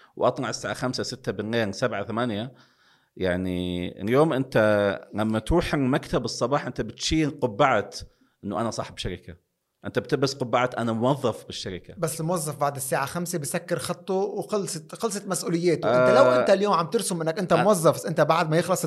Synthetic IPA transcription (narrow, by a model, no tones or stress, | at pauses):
wʔɑt̪ˤnɑʕɪsːaːʕaxamsasɪt̪ːabɪnːaːnsabʕaθamænja | jaʕnḭɪ̰ljoːmʔɪnt̪ælæmːæt̪ɾuːħmækt̪abɨsˤːɑbɑːħʔɪnt̪æbɪt̪ʃiːqʊbːaʕat̪ | ʔɪnːʊʔanæsˤɑħbʃaɾɪka | ʔɪnt̪æbt̪ɪbasqʊbːaʕat̪ʔanamʊwɑðˤːɑfbɪʃːaɾɪkabæsːlmowɑzˤːɑfbaʕd̪ɪsːaːʕaxæmsebesækːɪɾxɑt̪ˤːowqɑlsˤxɑls̬ˤɑt̪mæsʔuːlɪjːæːt̪ʊʔent̪ælæwʔʔent̪æljoːmʕamt̪eɾsʊmʔɪnːækʔent̪æmowɑzˤːɑfʔent̪æbaʕd̪mæjexlɑsˤ